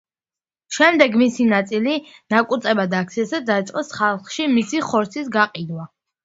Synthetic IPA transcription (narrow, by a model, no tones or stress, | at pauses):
ʃɛmd̪ɛɡmisinat̪sʼilinakʼut̪ʼɛbad̪aːk̚t̪sʰiasad̪ait̪sʼqʼɔsχalˠχʃimisiχɔɾt̪sʰisɡaqʼid̪wa